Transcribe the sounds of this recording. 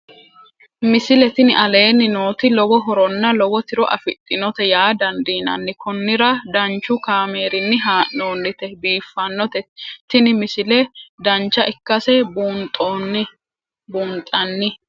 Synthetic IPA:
mɪsɪlɛt̪ɪnɪʔɐle̞ːnːɪno̞ːt̪ɪlɔbɔɦɔɾɔnːɐlɔbɔt̪ɪɾɔʔɐ̰fɪt̪ʼːɪnɔt̪ɛjaːd̪ɐnd̪iːnɐ̰nːɪkɔnːɪɾɐd̪ɐnt͡ʃːʊkaːme̞ːɾɪnːɪɦaːʔno̞ːnːɪt̪ɛbiːfːɐnːɔt̪ɛt̪ɪnɪmɪsɪlɛd̪ɐnt͡ʃːɐʔɪkːɐsɛbuːnt̪ʼːon | buːnt̪ʼːɐnːɪ

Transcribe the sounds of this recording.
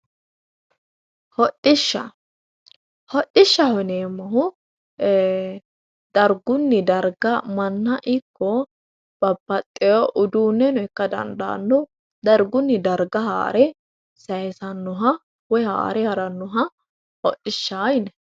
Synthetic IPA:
hɔʔɪʃːɐ | hɔʔːɪʃːɐhʊneːmːɐɦʊ | d̪̥ɐɾɡʊnːɪd̪ɐɾɡɐmɐnːɐʔɪkːɔ | b̥ɐbːɐt̪ʼːɪjɔʔʊd̪uːnːɛnʊɪkːɐd̪ɐ̰nd̪a̰ːnːɔ | d̪ɐɾɡʊnːɪd̪ɐɾɡɐha̰ːɾɛ | sɐjɛsɐnːʊɦɐ | wɔha̰ːɾɛhɐɾɐnːʊɦɐ | hɔʔːɪʃːaːjnɛ

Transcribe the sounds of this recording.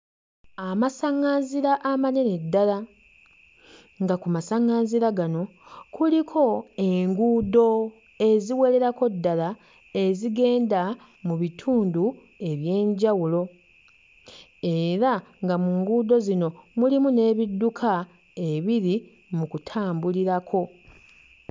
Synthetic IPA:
amasaŋaːnziɾaʔːmane̞nedːala | ŋɡakumasaŋaːnziɾaɡano̞ | kʰulikʰo̞eŋɡuːdo̞ | e̞ziwe̞le̞ɾako̞dːala | e̞ziɡe̞ːnda | muβitʰuːndu | e̞βje̞ːɲɟawulo̞ | e̞ɾaŋɡamuːŋɡuːdo̞zino̞mulimune̞ːβidːukʰa | e̞βiɾi | mukutʰaːmbuliɾakʰo̞

